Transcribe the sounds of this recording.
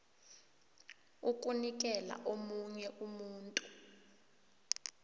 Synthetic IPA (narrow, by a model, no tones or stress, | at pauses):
uk̬ʼunik̬ʼɛla̰ʔomuɲɛʔumuːntʼu̥